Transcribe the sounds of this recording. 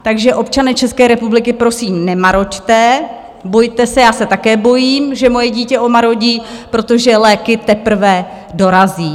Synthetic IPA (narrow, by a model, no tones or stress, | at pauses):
t̪aɡʒɛʔo̞p̚t͡ʃanɛːt͡ʃɛskɛːɾɛpublɪkɪpɾo̞siːmnɛmaɾo̞ct̪ɛ | bo̞jt̪ɛsɛjaːsɛt̪akɛːbo̞jiːmʒɛmo̞jɛɟiːcɛʔo̞maɾo̞ɟiːpɾo̞t̪o̞ʒɛlɛːkɪt̪ɛpr̩vɛ | do̞ɾaziː